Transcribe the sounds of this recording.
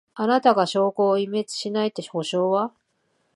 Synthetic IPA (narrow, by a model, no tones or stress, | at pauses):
anat̪aɡaɕo̞ːko̞ːime̞t͡sɨ̥ɕinait̪ːeho̞ɕo̞ːβa